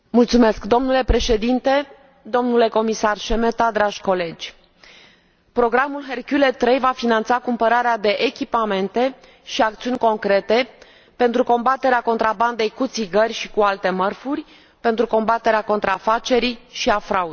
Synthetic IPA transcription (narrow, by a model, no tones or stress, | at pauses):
mult̪sume̞skd̪o̞mnule̞pɾe̞ʃe̞d̪int̪e̞ | d̪o̞mnule̞ko̞misarʃe̞met̪ad̪ɾaʒʲko̞le̞d͡ʒʲ | pɾo̞ɡɾamulɦerkʲulet̪ːɾejvafinant̪sakumpəɾaɾead̪e̞ʔekʲipame̞nt̪e̞ | ʃiak̚t̪siunʲko̞ŋkɾe̞t̪e̞ | pe̞nt̪ɾuko̞mbat̪e̞ɾeako̞nt̪ɾaband̪e̞jkut̪siɡərʲʃikualt̪e̞mərfurʲ | pe̞nt̪ɾuko̞mbat̪e̞ɾeako̞nt̪ɾafat͡ʃe̞ɾiʃiafɾaud̪